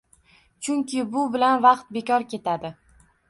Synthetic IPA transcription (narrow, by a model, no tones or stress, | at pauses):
t͡ʃʰʊŋkʲʰɪbʊbɪlanvɑqt̪̚be̞kʲɒɾkʲʰe̞t̪ʰad̪ɪ